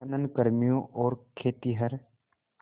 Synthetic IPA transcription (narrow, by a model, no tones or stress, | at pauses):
nənkəɾmijõʔɔːɾkʰeːt̪iɦɐɾ